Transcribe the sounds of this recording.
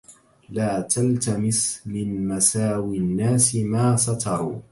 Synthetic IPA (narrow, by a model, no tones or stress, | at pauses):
laːt̪alt̪amɪsmɪnmasaːwinːaːsɪmaːsɑt̪ʰɑɾˤṵː